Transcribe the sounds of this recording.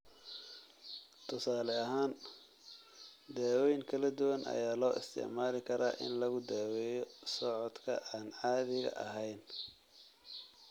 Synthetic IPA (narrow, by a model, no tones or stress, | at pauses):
t̪ʰʊsaːlɛɐɦaːn | d̪ɛːwɛjŋkʰɐlɐd̪ʊwɐnʔɐ̰jaːlɔːʔɪ̰st̪ʰɪ̰ʕmaːlɪkʰɐɾa̰ːʔɪ̰nlɐɣʊd̪ɛːwɛːjɔsɔʕɔd̪kʰɐ̰ʔaːnʕɑːðɪɣɐ̰ʔɐ̰ɦɛjn